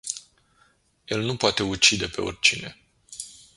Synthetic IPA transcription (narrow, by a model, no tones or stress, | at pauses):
jelnupoat̪e̞ut͡ʃid̪e̞pe̞o̞̰rʲt͡ʃine̞̰